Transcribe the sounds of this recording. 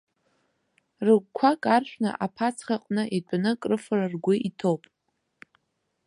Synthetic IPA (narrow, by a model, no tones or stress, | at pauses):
rɨɡkʷʰakʼarħʷᶣna̰ʔapʰat͡sʰχaqʼnɨʔidʷʼanɨkʼrɨfararɡʷʊʔitʰopʼ